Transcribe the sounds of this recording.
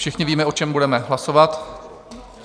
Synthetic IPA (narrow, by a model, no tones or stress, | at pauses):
ʃɪxɲɪviːmɛʔo̞t͡ʃɛmbudɛmɛɦlaso̞vat̪